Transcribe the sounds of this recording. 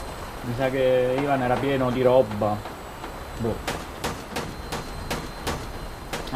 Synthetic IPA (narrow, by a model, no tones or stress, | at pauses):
misakeiːvanɛːɾapjɛːnod̪iɾɔbːa | bu